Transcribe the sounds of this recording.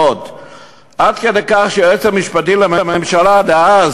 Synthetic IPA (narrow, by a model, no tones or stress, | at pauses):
ot̪ | ʔad̪kedejkaχʃeet͡samiʃpat̪imlemememʃaladeaz